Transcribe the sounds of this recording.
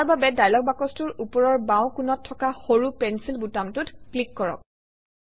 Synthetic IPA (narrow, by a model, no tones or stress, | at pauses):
taɹbabɛdajlɔk̚bakɔstʊɹupɔɹɔɹbãw̃kunɔtʰːɔkaxoɹupɛnsilbutamtʊtklikːɔɹɔ̰k̚